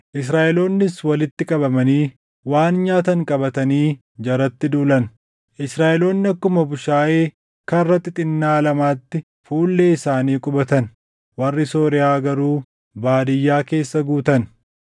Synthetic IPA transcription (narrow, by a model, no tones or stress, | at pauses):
ʔɪsɾaːʔɛlo̞ːnːɪswɐlɪt̪ːɪkʼɐbɐmɐniː | waːnɲaːt̪ɐŋkʼɐbɐt̪ɐniː | d͡ʒɐɾɐt̪ːɪd̪uːlɐn | ʔɪsɾaːʔɛlo̞ːnːɪɐkːʊmɐbʊʃaːʔeː | kɐrːɐt̪ːɪt̪ʼɪnːaːlɐmaːt̪ːɪ | fuːlːe̞ːɪsaːniːkʼʊbɐt̪ɐn | wɐrːɪso̞ːɾɪaːɡɐɾuː | baːd̪ɪjːaːke̞ːsːɐɡuːt̪ɐn